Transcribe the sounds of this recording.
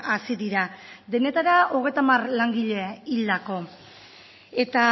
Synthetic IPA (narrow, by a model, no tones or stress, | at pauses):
asiðiɾad̪e̞ne̞t̪aɾaʔo̞ɣ̞e̞jt̪amarlaŋɡiʎe̞ild̪ako̞ | e̞t̪a